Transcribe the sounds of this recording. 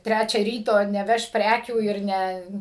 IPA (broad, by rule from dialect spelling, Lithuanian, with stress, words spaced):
ˈtʲrʲæt͡ʃʲæː ˈrʲiːtoː nʲɛˈʋʲɛʃ ˈpʲrʲækʲuː ɪr ˈnʲɛ